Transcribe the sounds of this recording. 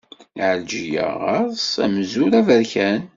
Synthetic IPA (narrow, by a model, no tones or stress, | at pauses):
ʕəld͡ʒijæ̰ʁɑɾˤsæ̰mzuɾævəɾçæn